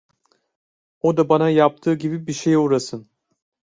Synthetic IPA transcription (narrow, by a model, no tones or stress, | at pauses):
od̪abanajap̚t̪ʰɯːɟibibiʃejuɾasɯn